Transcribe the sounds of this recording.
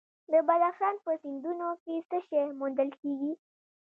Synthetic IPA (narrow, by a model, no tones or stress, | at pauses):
d̪əbad̪axʃɑnpəsɪnd̪unokesəʃemund̪əlkeɡi